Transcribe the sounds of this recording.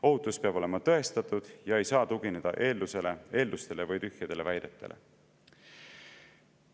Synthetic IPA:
o̞ɦut̪ːˑuspeɑb̥o̞lemɑt̪ɤe̞st̪ɑt̪ːˑud̪̥jɑe̞jsɑːt̪uɡ̥ine̞d̪̥ɑ̰ʔe̞ːld̪use̞le̞e̞ːld̪ust̪e̞le̞vɯjt̪yhjɑd̪̥e̞le̞væjd̪e̞t̪ːˑe̞̰lʔḛ

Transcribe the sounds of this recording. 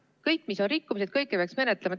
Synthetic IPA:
kɤjkˑːmiso̞nɾikːumis̬ed̪̥̚kɤjkːˑepeɑksme̞net̪lemɑt̪

